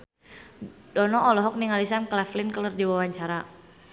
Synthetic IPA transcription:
dɔnɔːlɔɦɔk̚niŋalisanklɛflɪnkəlurdiwawaɲt͡ʃaɾa

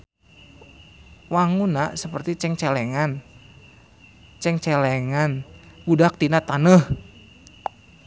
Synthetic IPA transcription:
waŋunaʔsəpərt̪it͡ʃɛŋt͡ʃɛlɛŋan | t͡ʃɛŋt͡ʃɛlɛŋan | budak̚t̪inat̪anəh

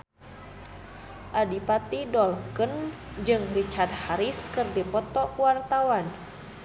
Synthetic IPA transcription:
ʔadipat̪idɔlkən | d͡ʒɨŋrit͡ʃat̪̚haɾiskɨrdipɔt̪ɔkuwart̪awan

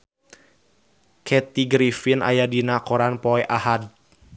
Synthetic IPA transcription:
kʰɛt̪iɡɾifinʔa̰jadinakɔɾanpɔɛʔahad

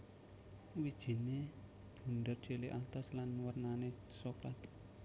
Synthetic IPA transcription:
wid̥ʒ̥i̤ne | b̥ṳnd̪ərd̥d͡ʒ̥eleʔat̪ɔslanwərnane | sɔkɾat̪

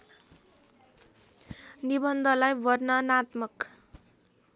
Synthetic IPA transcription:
nibʌnd̪ʱʌlajbʌrnʌnat̪mʌk

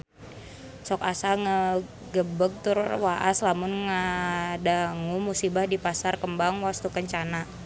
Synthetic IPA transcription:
sɔkasaŋə | ɡəbəɡ̚t̪ʊrwaʔa̰slamʊnŋədaŋumusibahdipasarkəmbaŋwast̪ukəɲt͡ʃana

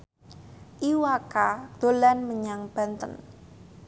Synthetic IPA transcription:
ʔiwakad̪̥o̤lanməɲaŋb̥a̤nt̪ən

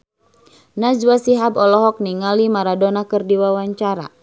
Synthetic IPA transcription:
nad͡ʒwasiɦabɔlɔɦɔk̚niŋalimaɾadɔnakɨrdiwawaɲt͡ʃaɾa̰

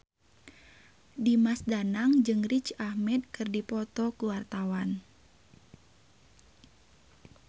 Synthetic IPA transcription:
dimasdanaŋd͡ʒɨŋrit͡ʃahmɛt̪̚kɨrdipɔt̪ɔkuwart̪awan

